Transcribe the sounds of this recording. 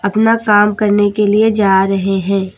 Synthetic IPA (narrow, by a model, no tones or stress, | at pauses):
ɐpnakaːmkɐɾnekelied͡ʒaːɾɐɦeɦɛ̃ː